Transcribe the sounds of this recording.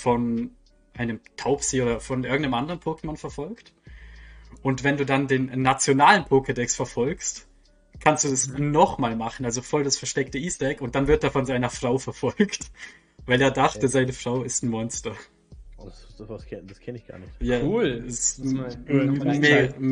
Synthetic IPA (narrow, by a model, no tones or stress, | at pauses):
fɔn | ʔaɪnəmtʰaʊpz̥eːoːdɐfɔnʔɪɐɡŋ̩tnəmʔandəʁənpʰoːkmanfɛɐfɔlkt | ʔʊntv̥ɛnduːdandeːnnːat͡sjonaːlənpʰokədɛksfɛɐfɔlkst | kʰanstd̥uːdasnɔχmaːlmaχn̩alzofɔldasfɛɐʃtɛktəʔiːsd̥ɛkʊnt̚d̥anvɪɐt̚d̥afɔnzaɪnɐfʁ̥aʊfɛɐfɔlkt | vaɪleːɐdaχtəzaɪnəfʁ̥aʊɪstn̩mɔnstɐ | d̥skʰɛnɪçɡ̥a̰ːɐnɪtjaːɛs | mː